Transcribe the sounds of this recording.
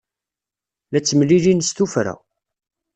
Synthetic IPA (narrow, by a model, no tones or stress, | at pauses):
læt͡sːəmlilinst̪ufɾæ̰